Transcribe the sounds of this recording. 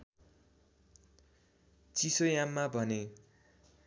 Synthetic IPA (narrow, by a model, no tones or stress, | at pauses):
t͡sisojamːabʱʌne